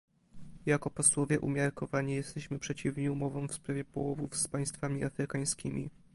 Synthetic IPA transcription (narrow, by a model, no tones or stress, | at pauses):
jakɔpɔswɔvʲjɛʔumʲjaɾkɔvaɲijɛst̪ɛɕmɘpʂɛt͡ɕivɲɛumɔvɔ̃w̃fspɾavʲjɛpɔwɔvufspaj̃st̪famʲiʔafɾɘkaj̃skʲimʲḭ